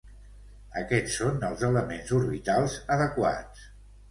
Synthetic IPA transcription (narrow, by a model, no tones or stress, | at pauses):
əkɛt͡sːonəlˠzələmenzuɾβit̪alˠzəðəkwa̰t͡s